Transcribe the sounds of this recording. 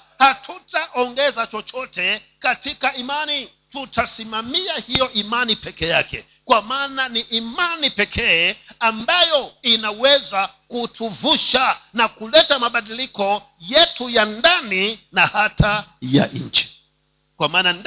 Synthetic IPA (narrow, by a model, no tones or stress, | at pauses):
hatʰutaʔɔŋɡɛzat͡ʃɔt͡ʃɔtɛkatikaimani | tutasimamiahijɔʔimanipɛkɛjakɛ̰ | kwamaːnaniʔːmanipɛkʰɛːambajɔinawɛzakutʰuvuʃanakulɛtamaɓaɗilikɔ | jɛtujandaninahatʰaja̰ɲ̩t͡ʃi̥ | kwamaːnan